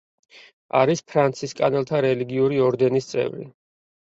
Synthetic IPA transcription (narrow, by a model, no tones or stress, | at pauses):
a̰ɾispʰɾant̪sʰiskʼanɛlˠt̪ʰaɾɛliɡiuɾiɔɾd̪ɛnist̪sʼɛ̰vɾḭ